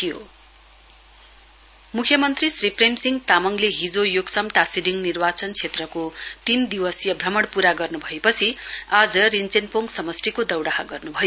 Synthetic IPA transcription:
ijo̰ | mukʰjʌmʌnt̪risriprejmsiŋɡt̪amʌŋleɦid͡zojoɡsʌmʈasiɖiŋnirbat͡sʌnt͡sʰet̪rʌkot̪ind̪iwʌsjʌbʱrʌmʌɽpuɾaɡʌrnubʱʌepʌt͡sʰiad͡zʌrint͡senpoŋɡsʌmʌsrikod̪ʌwɽaɦaɡʌrnubʱʌj

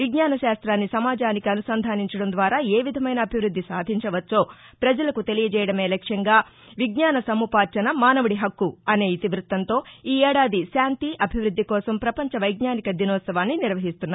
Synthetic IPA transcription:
ʋiɡɲaːnɐʃaːst̪ɾaːnːisɐmaːd͡ʒaːnikiɐnusɐnd̪ʱaːniɲt͡ʃɐɽɐnd̪ʋaːɾaːeːʋid̪ʱɐmɐjnɐːbʱiʋɾud̪ʱːisaːd̪ʱiɲt͡ʃɐʋɐt͡ʃːo̞ː | pɾɐd͡ʒɐlɐkut̪e̞lijɐd͡ʒɛːjɐɽɐme̞ːlɛkʂɐŋɡaː | ʋiɡɲaːnɐsɐmuːpaːɾt͡ʃɐnɐmaːnɐʋɐɽiɦɐkːuɐne̞ːit̪iʋɾut̪ːɐnt̪o̞ːiːɛːɽaːd̪iʃaːnt̪iʔɐbʱiʋɾud̪ʱːikɔːsɐmpɾɐpɐɲt͡ʃɐʋɐjɡɲaːnikɐd̪inɔːt̪sɐʋaːnːiniɾʋɐɦist̪unːa

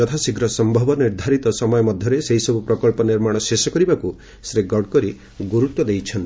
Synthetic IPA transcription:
d͡ʒɔt̪ʰasiɡɾɔsɔmbʱɔbɔniɾd̪ʱaɾit̪ɔsɔmɔjɔmɔd̪ʱjɔɾeseɦisɔbupɾɔkɔɭpɔniɾmaɽ̃ɔsesɔkɔɾibaku | sɾeɡɔɖ̚kɔɾi | ɡuɾut̪ːwɔd̪ejt͡ʃʰɔnt̪i

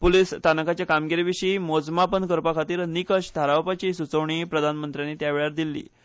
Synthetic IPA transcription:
puliːst̪anəkat͡ɕjakamɡiɾeʋiɕiːmod͡zmapənkəɾpakʰat̪iːɾnikəɕt̪ʰaɾawpat͡ɕiːsut͡səʋɳ̃iːpɾəd̪ʱanmənt̪ɾjanːiːt̪jaʋeɭaɾd̪ilːḭː

